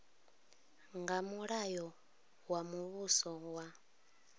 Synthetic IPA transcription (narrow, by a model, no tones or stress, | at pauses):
ŋɡamuɺajɔ | wamuβusɔwa